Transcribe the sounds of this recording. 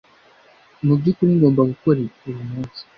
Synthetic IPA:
mubɟikuɾiŋɡo̞ːmbaɡuko̞ɾeujumuːnsi̥

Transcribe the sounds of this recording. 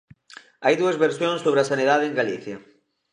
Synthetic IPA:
ajðuɐzβeɾsjoŋsːoβɾeɐsaniðaðeeŋɡaliθjɐ

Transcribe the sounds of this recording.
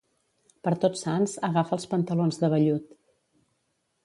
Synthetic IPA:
pəɾt̪ot͡ssanzəɣafəlˠspənt̪əlonzðəβəʎut̪

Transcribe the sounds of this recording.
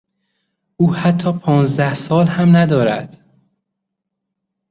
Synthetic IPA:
ʔuːhæt̪ʰːɒːpʰɒːnzd̪æhsɒːlhæmnæd̪ɒːɾæ̰d̪̥

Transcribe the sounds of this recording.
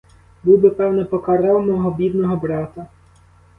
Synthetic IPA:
buwbɪpɛwnɛpɔkɐɾɛwmɔɦɔbʲid̪nɔɦɔbɾɑt̪ɐ

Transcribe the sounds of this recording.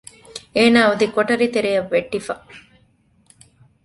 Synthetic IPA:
eːnaːud̪ikoʈɐɾit̪eɾejɐʋːeʈːifɐ

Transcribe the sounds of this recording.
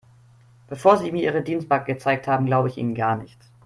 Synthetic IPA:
b̥əfoːɐziːmiːɐiːʁədiːnst̚b̥akɡ̥ət͡saɪk̚thaːbm̩ɡlaʊbəɪçḭːnənɡaɐnɪçt

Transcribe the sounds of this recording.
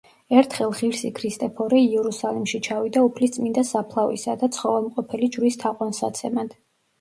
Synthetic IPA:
ɛɾt̪ʰχɛlˠʁiɾsikʰɾist̪ʼɛpʰɔɾɛiɛɾusalimʃit͡ʃʰavid̪aupʰlist̪sʼmind̪asapʰlˠavḭsad̪at̪sʰχɔvalˠmqʼɔpʰɛlid͡ʒɾist̪ʰaqʼwansa̰t̪sʰɛmad̪̥

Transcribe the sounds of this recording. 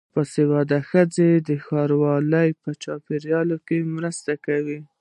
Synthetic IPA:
pəsewɑd̪axəd͡zed̪əxɑɾwɑləjpət͡ʃɑpeɾjɑlokemɾəst̪akawi

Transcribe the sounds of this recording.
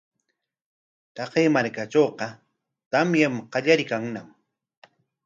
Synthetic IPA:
t̪ɑqejmaɾkaʈ͡ʂoːqɑ | t̪amjamqɑʎaɾɪkaŋnam

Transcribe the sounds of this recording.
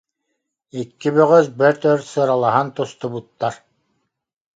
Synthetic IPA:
ikːibœʁœsbɛɾt̪œɾsɯɾalˠaɦant̪ust̪ubut̪ːaɾ

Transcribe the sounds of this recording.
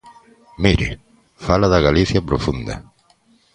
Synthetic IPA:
miɾɪ | falaðaɣaliθjapɾofund̪a̰

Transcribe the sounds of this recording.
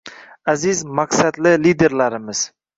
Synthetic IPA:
azɪzmaqsad̪lɪlid̪e̞ɾlaɾɪmɪz̥

